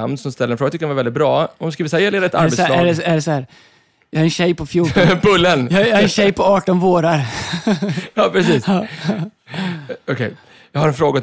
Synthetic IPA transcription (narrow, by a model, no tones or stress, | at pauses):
a̰mnsɔmst̪ɛlːəɾɛnfɾoːɡat̪ɪkːɾnvaɾvɛlɪt̪̚bɾɑːɔskiːvɪshajɛleːd̪aɾɛt̪a̰ɾbɛtsslæɾɛæɖɛsɔhæːɾ | jɑhaɾɛnɕɛjpɔfjuːʈɔbɵlːənːjaɾɛnɕɛjpʰɔɑːʈɔnvoːɾaɾ | jɑːpʰɾɛsiːs | ɔkʰɛj | jɑhaɾɛnfɾoːɡa